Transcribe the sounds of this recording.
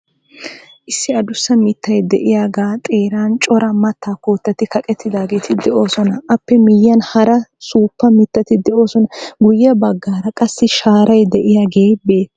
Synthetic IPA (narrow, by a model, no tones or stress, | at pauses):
ʔɪsːɪɐd̪ʊsːɐmɪt̪ːɐjd̪ɛʔɪjaːɡaːt̪ʼe̞ːɾaːnt͡ʃʼɔɾɐmɐt̪ːaːkoːt̪ːɐt̪ɪkɐkʼɛt̪ːɪd̪aːɡe̞ːt̪ʰɪd̪ɛʔo̞ːsɔnɐʔɐpːɛmɪjːɐnhɐɾɐsuːpːɐmɪt̪ːɐt̪ɪd̪ɛʔo̞ːsɔnɐɡʊjːɐbɐɡːaːɾɐkʼɐsːɪʃaːɾɐjd̪ɛʔɪjaːɡe̞ːbe̞ːt̪ː